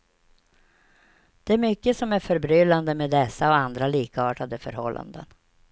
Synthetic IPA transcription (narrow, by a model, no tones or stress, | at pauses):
d̪̥ɛæɾmʏkːəsɔmæɾfœɾbɾʏlːand̪əmeːd̪ɛsːaɔand̪ɾaliːkaɑːʈad̪əfœɾhɔlːʔa̰nd̪ə̰n